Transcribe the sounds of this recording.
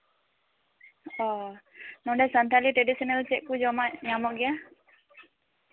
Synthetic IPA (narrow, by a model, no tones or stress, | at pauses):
ɔ | nɔɖɛsant̪ʰaliʈɾɛɖisɔnalt͡ʃɛʔkud͡ʒɔmaʔɲamɔʔɡɛja